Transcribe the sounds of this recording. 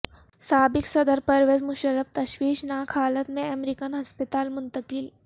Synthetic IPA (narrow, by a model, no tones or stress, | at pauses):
saːbiksɐd̪əɾpɐɾʋed͡zmuɕəɾəft̪ɐɕʋiːʃnaːkʰaːlət̪mẽɛmeɾikənɦɐspət̪aːlmunt̪əkil